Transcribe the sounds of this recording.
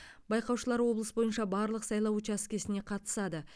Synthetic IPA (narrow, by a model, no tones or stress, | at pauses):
bɑjqɑwʃəlˠɑɾwo̞blˠəsbo̞jənʃɑbɑɾlˠəqsɑjlˠɑwot͡ʃɑskʲe̞sɪne̞qʰɑt̪ə̥sɑd̪ə